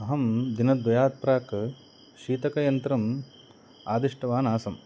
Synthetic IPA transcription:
ɐɦɐmd̪inɐd̪ʋɐjaːt̪̚pɾaːk | ʃiːt̪ɐkɐjɐnt̪ɾɐm | aːd̪iʂʈɐʋaːnaːsɐm

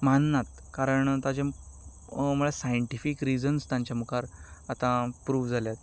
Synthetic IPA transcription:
manːat̪ | kaɾəɳt̪ad͡ʑa | məɭasajəɳʈifikɾid͡zənst̪jãɲt͡ɕjamukaɾat̪ãpɾuːʋd͡zʱaljat̪̚

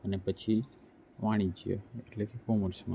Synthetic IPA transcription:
ənepət͡ʃʰi | ʋãɽ̃id͡ʒiḛeʈlekʰekoməɾsmã

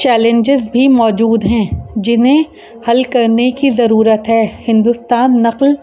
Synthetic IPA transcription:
t͡ʃɛːlɛ̃ɲd͡ʒɪzbʱimɔːd͡ʒuːd̪ɦɛ̃d͡ʒɪnɦẽ | hɐlkɐɾnekizɐɾuːɾət̪ɦɛːhɪ̃nd̪ʊst̪aːnːɐql

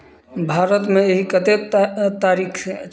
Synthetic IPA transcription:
bʱaɾət̪meeɦikət̪et̪aɾikʰ

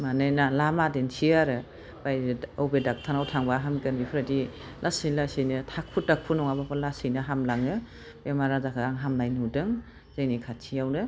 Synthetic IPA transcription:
manɯjnalamadensʰiaɾɯ | b̥ajːwbedak̚tʰanawtʰaŋbaɦamɡɯnbipʰɾadi | lasijlasɯjnɯtʰak̚ʰutdak̚pʰunɔŋabapalasɯjnɯɦamlaŋɯ | bemaɾazakʰaaŋɦamnajnudɯŋ | zajnikʰatʰiawnɯ

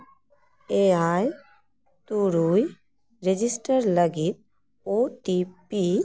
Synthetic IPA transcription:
eaj | t̪uɾuj | ɾed͡ʒisʈəɾləɡit̪̚ | oʈipi

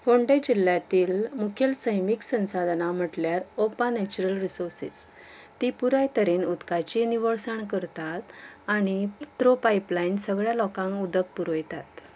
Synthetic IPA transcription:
ʋoɳɖed͡ʑil̤ːjat̪iːlmukʰjelsəjmiksə̃sad̪ʱnam̤əʈljaɾopanet͡ɕuɾəlɾisoɾsḭs | t̪ipuɾajt̪əɾenud̪kat͡ɕiniʋəɭsaɳkəɾt̪at̪aɽ̃it̪ɾopajplainsəɡɭjalɔkãŋkud̪ək̚puɾojt̪at̪

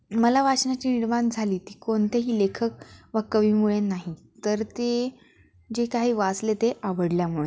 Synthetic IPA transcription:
məlaʋat͡sɳjat͡ɕiːniɽmand͡zʱaliːt̪iːkont̪eɦiːlekʰək̚ʋəkəʋiːmuɭenaɦi | t̪əɾt̪e | d͡ʑekaɦiːʋat͡slet̪eʔaʋəɽljamuɭe

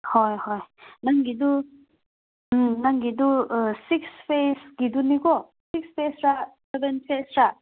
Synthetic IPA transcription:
hojhojnaŋɡidu | naŋɡidusikspʰesɡ̥idunikɔ | sikspʰesɾasebenpʰesɾa

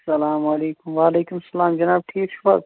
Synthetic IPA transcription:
sɐlaːmɐleːkʊmʋaːleːkumsɐlaːmd͡ʒɐnaːb̚ʈʰiːkʃʰu̥fɐ̰t̪

